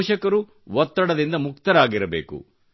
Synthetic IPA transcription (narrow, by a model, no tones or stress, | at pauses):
ʃɐkɐɾu | ʋɔt̪ːɐɽɐd̪ind̪ɐmuk̚t̪ɐɾaːɡiɾɐbḛːkṵ